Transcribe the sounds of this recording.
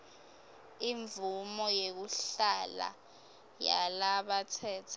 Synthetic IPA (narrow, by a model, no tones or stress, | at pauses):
iɱvumɔjek̬uɬala̰ | ja̰laɓatʰɛːtʰa